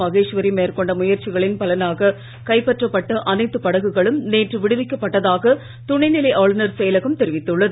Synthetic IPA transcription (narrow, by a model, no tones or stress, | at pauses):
ɐɣeːʂʋɐɾimeːɾkɔɳɖɐmʊjɐɾt͡ʃɪɣɐɭɪnpɐlɐnaːɣɐ | kɐɪpːɐʈrɐpːɐʈːɐʔɐnɐɪt̪ːɯpɐɽɐɣɯɣɐɭɯmneːʈrɯʋɪɽɯʋɪkːɐpːɐʈːɐðaːɣɐ | t̪ʊɳɐɪnɪlɐɪʔaːɭnɐɾsɛjɐlɐɣɐmt̪ɛɾɪʋɪt̪ːɯɭːɐðɯ